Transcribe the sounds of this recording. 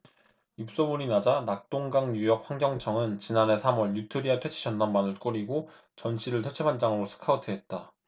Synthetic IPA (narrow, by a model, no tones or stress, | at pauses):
ip̚s͈omuɾinad͡ʑanak̚t͈oŋɡaŋɲujʌk̚ɸwaŋɡjʌŋt͡ɕʰʌŋɯnt͡ɕinane̞sʰamwʌɭjutʰɯɾiatʰwe̞t͡ɕʰi̥ɕʰʌnːanmanɯɭk͈oɾiɡo | t͡ɕʌnɕʰiɾɯɭtʰet͡ɕʰepʰand͡ʑaŋɯɾosʰɯ̥kʰaɯtʰɯɦet̚t͈a